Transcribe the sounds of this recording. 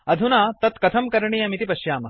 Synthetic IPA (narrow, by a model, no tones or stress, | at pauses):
ɐd̪ʱunaːt̪ɐt̪kɐt̪ʰɐmkɐɾɐɳijɐmit̪ipɐʃjaːmɐ